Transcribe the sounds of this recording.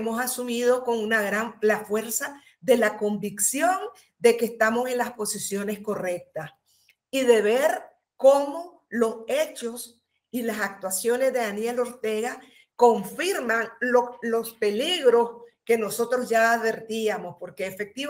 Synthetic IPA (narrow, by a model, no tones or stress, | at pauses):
mosasumið̞o̞ko̞ŋunaɣɾanlafwe̞ɾsa | ðe̞lako̞mbiksjo̞n | d̪e̞keːst̪amo̞se̞nlaspo̞sisjo̞ne̞sko̞re̞k̚t̪as | iðe̞βeɾ | ko̞mo̞ | lo̞se̞t͡ʃo̞s | ilasak̚t̪wasjo̞ne̞zðe̞ðanje̞lo̞ɾt̪e̞ɣa | ko̞ɱfiɾmaŋolo̞spe̞liɣɾo̞ske̞no̞so̞t̪ɾo̞zʝaːðβe̞ɾt̪iamo̞spo̞ɾkeːfek̚t̪i